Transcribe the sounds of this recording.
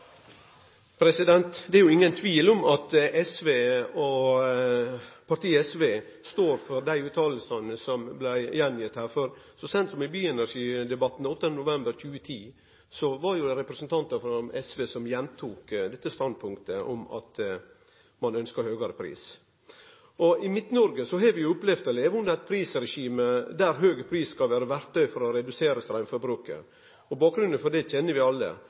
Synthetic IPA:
pʰɾɛsɪd̪ɛnt̪d̪ɛæɾjʊɪŋːənt̪ʰʋiːlɔmɑt̪ɛsʋeːɔ | pʰɑʈ̪iːɛsʋeː | st̪oːɾfɔɾd̪æɪʉːt̪ʰɑːllsɑnəsɔmblæɪjɛnjɪt̪hæːɾfɔɾsɔsɛnsɔmɪbyːɛnæɾʂiːd̪ɛbɑt̪n̩ɔt̪ːənd̪ənʊʋɛmbəɾc͡çʰʉːət̪ʰiː | sɔʋɑɾjʊɛɾɛpɾəsənt̪ʰɑnt̪əfɔɛsʋeːsɔmjɛnt̪ʰuːkd̪ɛt̪ːəst̪ɑnd̪̚pʰʊŋkt̪əʔɔmɑ̰t̪ | mɑnœnskɑhøːɡɑɾəpʰɾḭːs | ɔɪmɪt̪nɔɾɡəsɔɦɑɾʋɪjʊʊplɛfd̪ɛleːʋʊnd̪əɑt̪̚pʰɾiːsɾɛʂiːməd̪æɾɦøːɡəpʰɾiːsskɑlʋæːɾəʋæɾt̪œʏfɔɾɔɾɛd̪ʉseːɾəst̪ɾæɪnfɔɾbɾʉːkə̰ | ɔbɑːk̚ɡɾʉnd̪ənfɔɖɛc͡çɛnːəʋɪɑlːə̰

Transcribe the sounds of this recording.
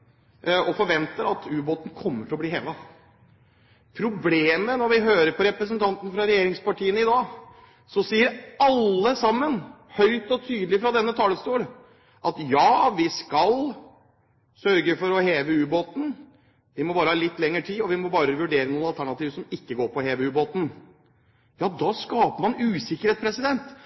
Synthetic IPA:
ɔfɔɾʋɛnt̪əɾɑt̪ʉːboːt̪n̩kʰɔmːəʈʰɪlɔbliːɦeːʋɑ | pʰɾʊbleːmənɔɾʋɪɦøːɾəɾpʰɔɾɛpɾəs̬ənt̪ʰɑnt̪n̩fɾɑɾɛjeːɾɪŋspɑʈiːənəɪd̪ɑː | sɔsiːəɾɑlːəsɑmːənhœʏt̪ɔt̪ʰyːd̪lɪfɾɑd̪ɛnːət̪ʰɑːləst̪uːl | ʔɑt̪jɑːʋɪskɑl | sœɾɡəfɔɾɔheːʋəʉːboːt̪n̩ | ʋɪmɔbɑːɾəhɑːlɪt̪ːlɛŋːəʈʰiːɔʋɪmɔbɑːɾəʋʉɖeːɾənuːənɑlt̪ʰæɳɑt̪iːʋsɔmɪkːəɡoːɾpɔheːʋəʉːboːt̪n̩ | jɑːd̪ɑːskɑːpəɾmɑnʉːsɪkːəɾheːt̪spʰɾɛsɪd̪ɛnt̪

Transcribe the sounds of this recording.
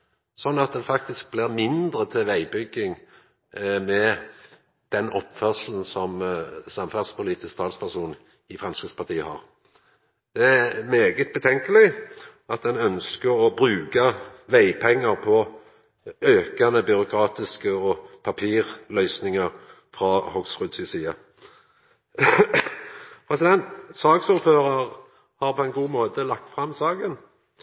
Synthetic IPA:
sɔnːɑt̪̚d̪ɛfɑkt̪ɪsk̚blɪʁmɪnd̪ʁət̪ʰɪʋæɪbʏɡːɪŋ | mɛ | d̪̥ɛnɔpːfœʁʂln̩sɔmsɑmfæd̪spʊliːt̪ɪskt̪ʰɑːlspʰæʁʂuːn | ɪfʁɛmskɪt̪spʰɑʁt̪iːəhɑ̰ːʁ | d̪̥ɛæmeːɡət̪̚bət̪ʰɛŋkəlɪ | ɑt̪̚d̪ɛnœnskəɾɔbʁʉːkɑʋæɪpʰɛŋːəʁpʰɔ | øːkɑnəbʏʁʊkʰɾɑːt̪ɪskəɔpʰɑpʰiːʁlœʏsnɪŋəʁ | fʁɑhɔɡsʁʉd̪sɪsiːɑ | pʰʁɛsɪd̪ɛnt̪sɑːɡsuːɾføːʁɑʁ | hɑːʁpʰɔɛnɡuːmoːt̪əlɑk̚t̪fʁɑmsɑːɡən

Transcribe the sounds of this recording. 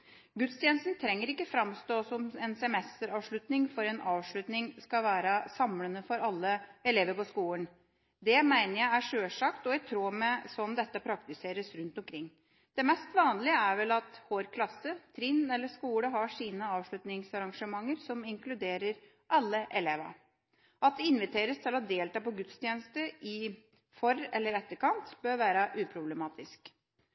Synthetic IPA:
ɡʉt̪st̪jɛnəst̪nt̪ʰɾɛŋːəɾɪkːəfɾɑmst̪oːsɔmɛnsɛmɛst̪əɾɑːʋʂɭʉt̪nɪŋfɔɾɛnʔɑːʋʂɭʉt̪nɪŋskɑʋæːɾəsɑmlənəfɔɾɑlːəɛleːʋəɾpɔskuːən | d̪ɛmæɪnəɾjæɪæʂøːʂɑkt̪ɔæɪt̪ʰɾoːmɛsɔmd̪ɛt̪ːəpʰɾɑk̚t̪ɪseːɾəsɾʉnt̪ɔmkʰɾɪŋː | d̪̥ɛmɛst̪ʋɑːnlɪəæɾʋɛlɑt̪hoːɾkʰlɑsːət̪ʰɾɪnːɛlːəʂkuːɽəɦɑʂiːnəɑːʋʂɭʉt̪nɪŋsɑɾɑŋʂəmɑŋːəɾsɔmɪŋklʉd̪eːɾəɾ | ʔɑlːəʔɛleːʋɑ̰ | ɑt̪̚d̪ɛɪnʋɪt̪ʰeːɾəst̪ʰɪlɑd̪eːlt̪ɑːpɔɡʉt̪st̪ʰjeːnəst̪əʔɪ | fɔɾɛlːəɾɛt̪ːəɾkʰɑnt̪bøːɾʋæːɾəʔʉːpʰɾʊblɛmɑːt̪ɪsk

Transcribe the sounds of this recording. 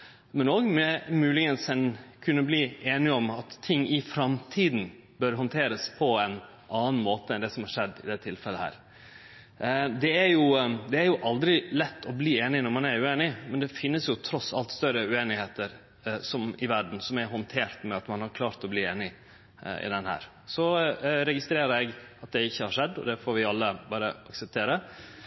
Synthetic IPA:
mɛnoːɡmɛmʉːlɪŋənsɛnkʰʉnːəbliːeːnɪɔmɑt̪ʰːɪŋːɪfɾɑmt̪ʰiːd̪n̩ | bœɾɦɔnt̪ʰeːɾəspʰɔɛn | ʔɑːn̩moːt̪əɛnd̪ɛsɔmhɑɾʂɛd̪ːɪd̪ɛt̪ʰɪlfɛlːəhæ̰ːɾ | d̪ɛæɾjʊd̪ɛæɾjʊʔɑld̪ɾɪlɛt̪ːɔbliːeːnɪnɔɾmɑnæɾʉeːnɪmɛnd̪ɛfɪnːəsjʊt̪ʰɾɔsːɑ̰lt̪st̪œɾəʉeːnɪheːt̪əɾ | sɔmɪʋæɖn̩sɔmæɾɦɔnt̪ʰeːɾt̪mɛɑt̪mɑnhɑɾkʰlɑːɾt̪ɔbliːeːnɪ | ɪ̰d̪ɛnhæ̰ːɾ | sɔɾɛɡɪst̪ɾeːɾəɾɛɡɑt̪̚d̪ɛɪçːəhɑɾʂɛd̪ːɔ̰d̪ɛfoːɾʋɪɑlːəbɑːɾəɑksɛp̚t̪ʰeːɾə

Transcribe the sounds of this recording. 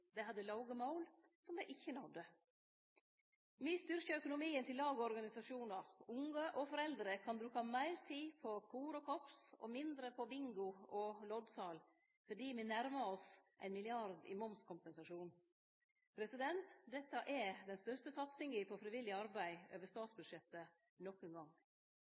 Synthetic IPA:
d̪ɛɪhɑd̪ːəlɑʊɡəmɑʊlsɔmd̪ɛɪʔɪçːənɑd̪ə | myːst̪ʏɾçəœkʊnʊmiːənt̪ʰɪllɑːɡəɔɾɡɑnɪsɑʂuːnɑʊŋːəʔɔfɔɾɛld̪ɾəkʰɑnbɾʉːkɑmæɪɾt̪ʰiːpʰɔkʰuːɾɔkʰɔpsɔ̰mɪnd̪ɾəpʰɔbɪŋɡʊɔlɔd̪sɑːl | fɔɖiːmɪnæɾməɔsʔæ̰ɪnmɪlɪɑɾd̪ɪ̰mɔmskʰʊmpɛnsɑʂuːn | pʰɾɛsɪd̪ɛnt̪d̪ɛt̪ːɑʔɛd̪ɛnst̪œɾst̪əsɑt̪sɪŋɡiːpɔfɾɪʋɪlːɪɑɾbæɪøːʋəst̪ɑːt̪sbʉd̪ʂɛt̪ːə | nɔkːənɡɑŋː

